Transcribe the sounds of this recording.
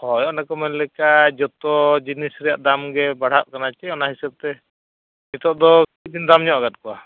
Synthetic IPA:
hɔjɔnakɔmɛnlɛkad͡ʒɔt̪ɔd͡ʒinisɾɛjaʔd̪amɡɛbaɽ̤aʔ̚kanat͡ʃɛɔnaɦisɛb̚t̪ɛ | it̪ɔʔd̪ɔkid̪ind̪amɲɔʔɡat̪̚kɔwa

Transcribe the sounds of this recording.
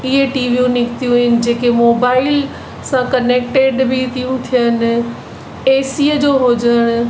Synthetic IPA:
ɪɦeʈiːʋijũnɪkt̪ijũɦɪnɪ̆d͡ʑeːkemoːbaːɪl | sãkəneːk̚ʈeɖbʱit̪ʰijũt̪ʰijən̆ | eːsiəd͡ʑoːɦod͡ʑəɽ̃

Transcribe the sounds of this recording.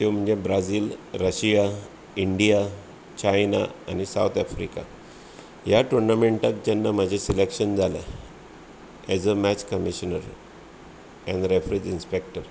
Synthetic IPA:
t̪em̤əɳd͡zebɾad͡ziːlɾəɕija | iɳɖija | t͡ɕajna̰anisawt̪ʰafɾḭka̰ | jaʈuɾnameɳʈak̚d͡ʑanːam̤ad͡ʑʱesilekɕənd͡zalḛ | æzəmæt͡ɕkəmiɕənəɾ | ɛ̃nɖɾefɾed͡ʑinspek̚ʈəɾ

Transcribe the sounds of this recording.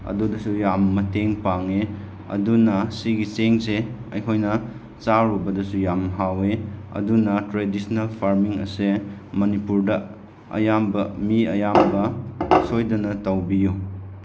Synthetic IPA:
ɐ̰dudɐsujamːɐteŋpaŋe | ɐ̰dunɐsiɡiseŋseɐjkʰojnɐ | t͡ʃaɾubɐdɐsujamɦaweɐ̰dunɐtɾedisnɐlpʰaɾmiŋɐ̰semɐnipuɾdɐ | ɐ̰jambɐmiɐ̰jambɐsojdɐnɐtɐwbiju

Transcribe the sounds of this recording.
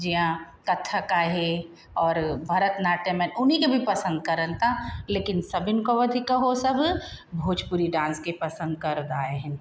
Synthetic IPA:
d͡ʒiã | kɐt̪ʰːakaːɦe | ɔːɾbʱaɾət̪naːʈemɛːnʊnɦikebʱipɐsə̃nd̪kɐɾəlt̪aleːkɪnsɐbɪnkoʋɐd̪ʱikaɦosɐbbʱoːd͡ʒpʊɾiɖãːskepɐsə̃nd̪kɐɾd̪aːeɦɛ̃

